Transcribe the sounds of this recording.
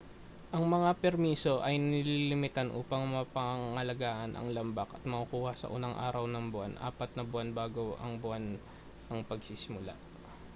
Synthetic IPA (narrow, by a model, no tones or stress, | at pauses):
ʔɐŋmɐŋapɛɾmiːso̞ʔɐjnɪlilɪmɪt̪anʔṵːpɐŋmɐpɐŋɐlɐɡaːʔɐnʔɐ̰ŋlɐmbɐkʔɐt̪̚mɐkʊkuːhɐsɐ̰ʔṵːnɐŋʔa̰ːɾɐwnɐŋbʊʔa̰nʔa̰ːpɐt̪̚nɐbʊʔanbaːɡoʔɐ̰ŋbʊan | ɐŋpɐɡsisɪmʊla̰ʔ